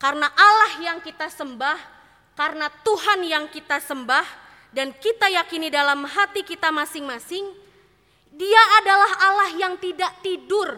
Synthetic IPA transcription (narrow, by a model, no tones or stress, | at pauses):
karnaʔalahjaŋkit̪asəmbah | karnat̪uɦanjaŋkit̪asəmbah | dankit̪ajakinidalamɦat̪ikit̪amasɪŋmasɪŋ | diaʔadalaɦalahjaŋt̪idaʔt̪idʊr